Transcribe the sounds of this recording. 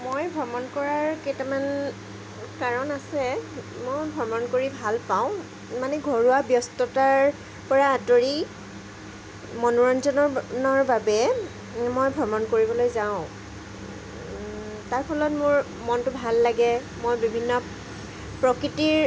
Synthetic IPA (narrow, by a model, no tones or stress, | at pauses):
mojbʱɔmɔnkɔɹaɹketaman | kaɹɔnasɛ | mojbʱɔɹmɔnkoɹibʱalpaʊ̃ | manɛɡʱɔɹuabjɔstɔtaɹ | pɔɹadoɹi | mɔnuɹɔnzɔnɔɹnɔɹbabɛ | mojbʱɔmɔnkoɹibɔlojzaʊ̃ | taɹpʰɔlɔtmʊɹ | mɔntʊbʱalːaɡɛ | mojbibʱinːɔ | pɹɔkɹitiɹ